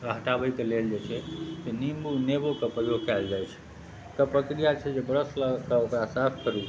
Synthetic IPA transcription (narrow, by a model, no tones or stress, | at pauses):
ɾəɦʈabəikeleld͡ʒet͡ʃʰɛsenimbunebokepɾəjoɡkɛld͡ʒajt͡ʃʰ | t̪əpɾəkɾijat͡ʃʰɛd͡ʒebɾəsləkəokɾasapʰkəɾu